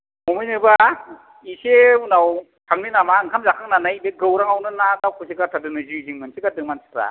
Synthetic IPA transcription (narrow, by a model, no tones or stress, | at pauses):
momɯjnɯba | iseunaw | tʰaŋninamaɯŋkʰamzakʰaŋnanajbeɡɯwɾaŋawnɯnanawkʰusiɡatʰadɯnɯzuiziŋmɯnsʰiɡadɯŋmansʰɯ̥kɾa̰